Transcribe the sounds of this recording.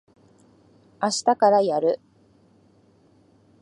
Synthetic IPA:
aɕi̥t̪akaɾajaɾɯ̟

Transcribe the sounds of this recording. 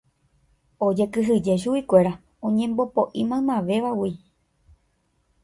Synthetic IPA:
od͡ʒe̞kɨɦɨd͡ʒe̞ʃ̬uikʷe̞ɾa | õɲẽmbo̞poʔimãmãʋe̞ʋawi

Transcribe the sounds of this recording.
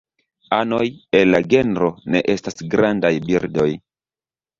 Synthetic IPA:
anojelːaɡe̞nɾo̞ne̞̰ʔe̞stasɡɾandajbiɾdo̞j

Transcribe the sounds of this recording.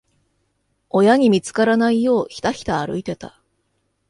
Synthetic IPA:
o̞jaɲ̟imʲit͡sɨ̥kaɾanaijo̞ːçi̥t̪açi̥t̪aːɾɯ̟̰it̪e̞t̪a

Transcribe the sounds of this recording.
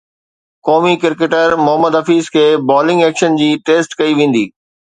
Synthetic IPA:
kɔːmikɪɾkeʈəɾmʊɦəməd̪ɦɐfiːzkʰeːbɔːlɪ̃ŋɡɛːkʃənd͡ʑiːʈeːsʈkɐiʋẽːn̆d̪iː

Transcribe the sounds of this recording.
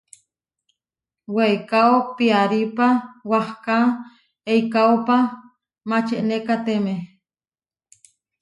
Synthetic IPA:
weikaopiaɾipawahka | eikaopa | mat͡ʃeʔnekat̪eme

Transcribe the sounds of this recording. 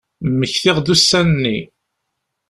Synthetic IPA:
mːəçθɪʁðusːænənːi

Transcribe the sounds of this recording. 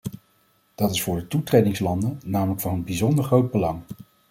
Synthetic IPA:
d̥ɑtɪsfʊːɹdətutrejdɪŋslɑndənnaːmələkfɑnənbizɔndəɹχrowd̚bəlɑŋ

